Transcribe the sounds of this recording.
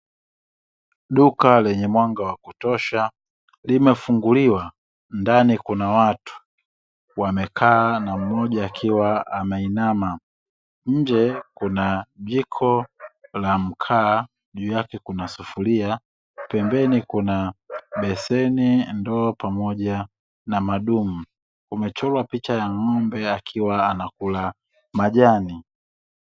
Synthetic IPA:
ɗukalɛɲɛmwaŋɡawakutɔʃa | limɛfuŋɡuliwa | ndanikunawatu̥ | wamɛkʰaːnam̩mɔʄaːkʰiwaamɛinama | ɲ̩d͡ʒɛkunaʄikʰɔlam̩kʰaː | ʄuːjakɛkunasufulia | pɛmbɛnikunaɓɛsɛnindɔːpamɔʄa | namaɗum̩ | umɛt͡ʃɔlwapit͡ʃajaŋɔmbɛakʰiwaːnakula | maʄani

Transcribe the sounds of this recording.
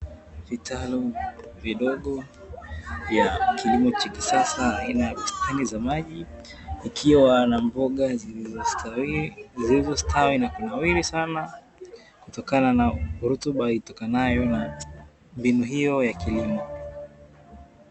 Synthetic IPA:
vitʰaluviɗɔɠɔ | vjakʰilimɔt͡ʃakisasaːinajakustʰanizamaʄi | ikʰiwanambɔɠa | zilizɔstʰawinakunawiɾisana | kutɔkananaɾutuɓaitɔkanajɔna | mbinuɦijɔjakilimɔ

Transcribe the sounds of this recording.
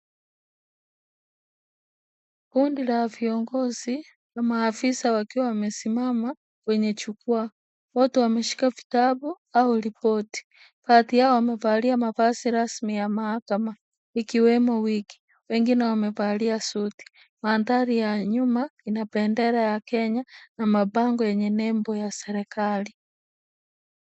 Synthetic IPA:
kundilaviɔŋɡɔzi | lamaːfisawakiwawamɛsimama | wɛɲɛt͡ʃukwa | wɔtɛwamɛʃi̥kavi̥tabu | aulipɔti̥ | patiaɔwamɛvaliamavasiɾasmijamahakama | ikiwɛmɔwiki̥ | wɛŋɡinɛwamɛvaliasuti̥ | mantaɾijaɲumainapɛndɛɾajakɛɲanamabaŋɡɔjɛɲɛnɛmbɔjasɛɾɛkali

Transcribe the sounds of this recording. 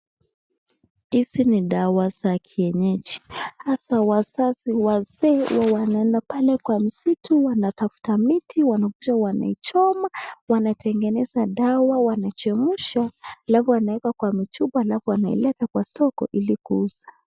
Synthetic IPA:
hisiniɗawazakʰiɛɲɛt͡ʃi̥hasawasasiwazɛwawanaɛndapalɛkwam̩situwanatafu̥tamitʰiwanakuʃawana̰it͡ʃɔmawanatʰɛŋɡɛnɛzaɗawawanat͡ʃɛmuʃaːlafuwanaɛkakwamit͡ʃuɓɔalafuwanaḭlɛtakwasɔkɔ̰ʔilikuuza

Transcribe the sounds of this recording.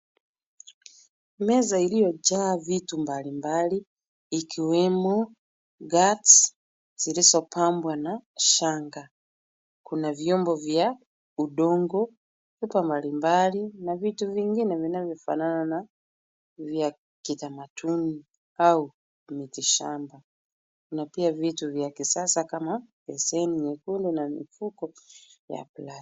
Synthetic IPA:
mɛzailijɔd͡ʒaːvitumbalimbaliː | kʰiwɛmɔ | ɡat | z̥ilizɔpambwanaʃaŋɡa | kunavjɔmbɔvja | uɗɔŋɡɔ | vipambalimbalinavituviŋɡinɛvinavjɔfa̰nanana | vja | kitamatʰuni | au | mitiʃamba | kunapiavituvjakisasakamapɛsɛniɲɛkundɛnamḭfukɔja̰plat

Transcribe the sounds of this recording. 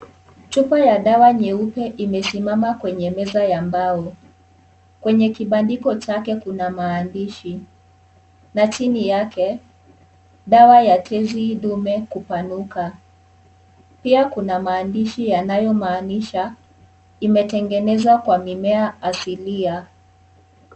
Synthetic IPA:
tupajaɗawaɲɛupɛʔimɛsimamakwɛɲɛmɛzajambaɔ | kwɛɲɛkiɓandikɔt͡ʃakɛkunamaːndiʃi | nat͡ʃinijakɛ | ɗawajatʰɛziɗumɛkupanuka | piakunamaːndiʃijanajɔmaːniʃa | imɛtɛŋɡɛnɛzakwamimɛaːsilia

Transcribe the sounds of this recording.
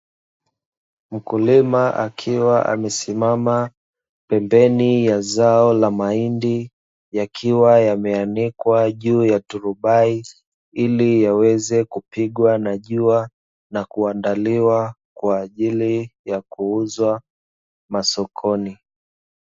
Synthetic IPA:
m̩kulimaʔakʰiwaʔa̰mɛsimama | pɛmbɛnijazaɔlamaindi | jakʰiwajamɛanikwaʄuːjatuɾuɓai | ilijawɛzɛkupiɠwanaʄua | nakuandaliwa | kwaːʄilijakuuzwa | masɔkʰɔni

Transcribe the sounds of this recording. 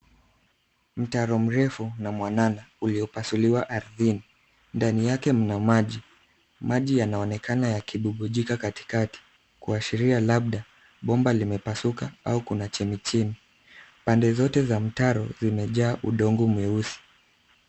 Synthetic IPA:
m̩taɾɔm̩ɾɛfunamwananauliɔpasuliwaʔaɾðini | ndanijakɛm̩namaʄi | maʄijanaɔnɛkʰanajakiɓuɠuʄikakati̥kati̥ | kuaʃiɾialaɓ̚ɗa | ɓɔmbalimɛpasukaaukunat͡ʃɛmit͡ʃini | pandɛzɔtɛzam̩taɾɔ̰zimɛʄaːʔuɗɔŋɡumuɛusi̥

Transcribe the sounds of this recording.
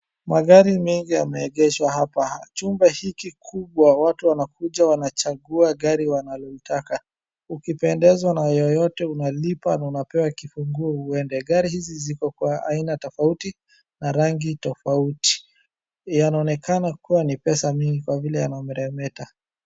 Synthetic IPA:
maɠaɾimɛŋɡiamɛːɠɛʃwahapat͡ʃumbɛhikikʰuɓwawatuwanakuʄawanat͡ʃaɡuaɡaɾiwanalɔitaka | ukipɛndɛzwanajɔjɔtɛunalipanaunapɛwakifuŋɡuɔuɛndɛɡaɾihizizikɔkwaa̰inatɔfauti | naɾaŋɡitɔfauti̥ | janaɔnɛkanakuwanipɛsamiŋɡikwavilɛja̰namɛɾɛmɛta

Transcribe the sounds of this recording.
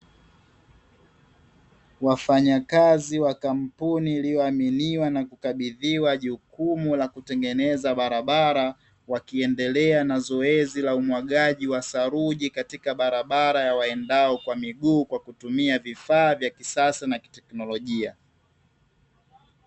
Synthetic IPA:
wafaɲakaziwakam̩puniːlijɔaminiwanakukaɓiðiwaʄukumulakutɛŋɡɛnɛzaɓaɾaɓaɾa | wakiɛndɛlɛanazɔɛzilaumwaɠaʄiwasaɾuʄikatikaɓaɾaɓaɾajawaɛndaɔkwamiɠuːkwakutumiavifaːvjakisasanaki̥tɛknɔlɔʄia

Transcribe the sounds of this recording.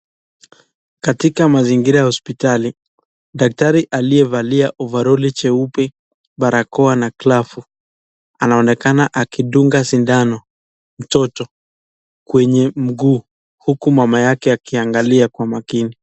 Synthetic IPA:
katikamaziŋɡiɾajahɔspitali | ɗak̚taɾiʔaliɛvaliaʔɔvaɾɔlit͡ʃɛupɛ | ɓaɾakɔanaklafu | anaɔnɛkanaʔakiɗuŋɡasindanɔ | m̩tɔtɔ | kwɛɲɛm̩ɡuː | hukumamajakɛakiaŋɡaliakwamakini

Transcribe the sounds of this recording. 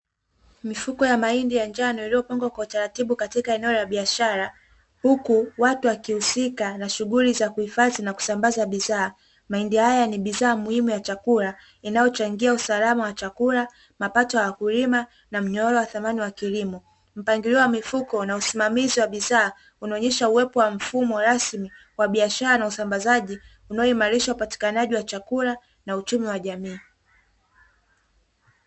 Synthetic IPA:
mifukɔjamaindijand͡ʒanɔilijɔpaŋɡwakwautaɾatiɓukatikaɛnɛɔlaɓiaʃaɾa | hukuwatuwakihusikanaʃuɣulizakuhifazinaku̥sambazaɓiðaː | maindihajaniɓiðaːmuhimujat͡ʃakula | inajɔt͡ʃaŋɡiausalamawat͡ʃakula | mapatɔjawakulima | nam̩ɲɔɔɾɔwaθamaniwakilimɔ | m̩paŋɡiliɔwamifukɔnausimamiziwaɓiðaː | unaɔɲɛʃauwɛpɔwam̩fumɔɾasmi | waɓiaʃaɾanausambazaʄi | unaɔimaɾiʃaupati̥kanaʄiwat͡ʃakuɾa | naut͡ʃumiwaʄamiː

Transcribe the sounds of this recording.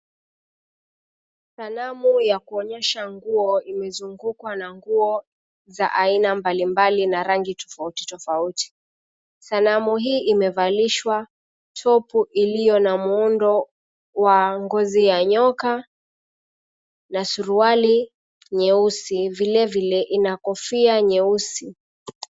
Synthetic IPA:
sanamujakuɔɲɛʃaŋɡuɔimɛzuŋɡukwanaŋɡuɔ | za̰ʔainambalimbalinaɾaŋɡitɔ̥fauti̥tɔfauti̥ | sanamuɦiːʔimɛvaliʃwa | tʰɔpuʔilijɔnamuundɔ | waŋɡɔzijaɲɔka | nasuɾuali | ɲɛusivilɛvilɛʔinakɔfiaɲɛusi

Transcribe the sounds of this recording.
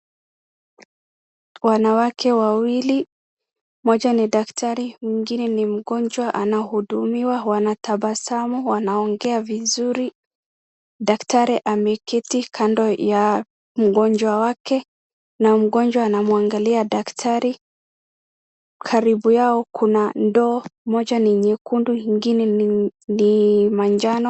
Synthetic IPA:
wanawakʰɛwawili | mɔd͡ʒaniɗaktaɾimwiŋɡinɛnim̩ɡɔɲd͡ʒwaʔanahuɗumiwawanataɓasamuwanaɔŋɡɛavizuɾi | ɗaktaɾɛʔamɛkɛtikʰandɔja | m̩ɡɔnd͡ʒwawakɛ | nam̩ɡɔnd͡ʒwaːnamuaŋɡaliaɗaktʰaɾi | kʰaɾibujaɔkʰunandɔːmɔd͡ʒaniɲɛkunduhiŋɡinɛnimand͡ʒanɔ

